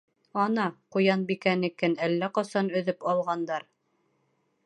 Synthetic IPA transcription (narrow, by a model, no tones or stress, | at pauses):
ɑnɑqŭjɑnbikænɘ̆kɘnælːæqɑsɑnɵ̆ðɘpɑlˠʁɑnd̪ɑɾ